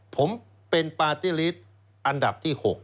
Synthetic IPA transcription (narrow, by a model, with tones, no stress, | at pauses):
pʰo˩˦m | pe˧npaː˧t̪iː˥˩li˦˥t̪̚ | ʔa˧nda˨˩p̚t̪ʰiː˥˩ho˨˩k̚